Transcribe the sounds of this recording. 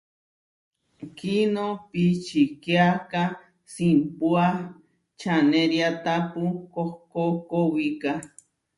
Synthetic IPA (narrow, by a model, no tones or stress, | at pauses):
kinopit͡ʃikeaka | simpua | t͡ʃaneɾjat̪apukohkokowika